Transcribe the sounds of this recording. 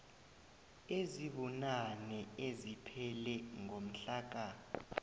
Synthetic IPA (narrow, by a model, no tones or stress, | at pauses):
eziɓunanɛezipʰɛlɛŋʱom̩ɬaːk̬ʼa